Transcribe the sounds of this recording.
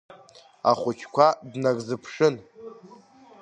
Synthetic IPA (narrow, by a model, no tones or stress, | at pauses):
a̰χʷʊt͡ʃʲʰkʷʰadnaɡʼzɨpʰʂɨn